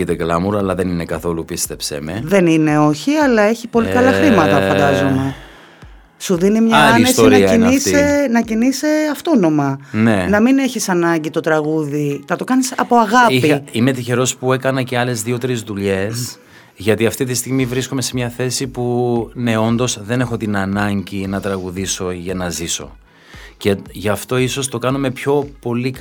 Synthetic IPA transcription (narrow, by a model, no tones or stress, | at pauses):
it̪eɡlɐmuɾɐlɐðeninekɐθo̞lupist̪e̞psḛme̞̰ðe̞nine̞o̞çiɐlɐe̞çipo̞likɐlɐxɾimɐt̪ɐfɐnd̪ɐzome̞ | suðinimɲɐɐnesst̪oinɾɐɐinisenɐciniseɐft̪o̞no̞mɐnenɐmineçisɐnɐɲɟit̪o̞t̪ɾɐɣuðinɐt̪o̞kɐnisɐpo̞ɐɣɐiime̞t̪içe̞ɾo̞spue̞kɐnɐce̞ɐle̞zðio̞t̪eɾezðuʎe̞s | ʝɐt̪iɐft̪it̪ist̪iɣmivɾisko̞me̞se̞mɲɐθe̞sipune̞o̞nd̪o̞sðe̞ne̞xo̞t̪inɐnɐɲɟinɐt̪ɾɐɣuðiso̞ʝɐnɐziso̞̰ | ceʝɐft̪o̞iso̞st̪o̞kɐnume̞pço̞po̞lik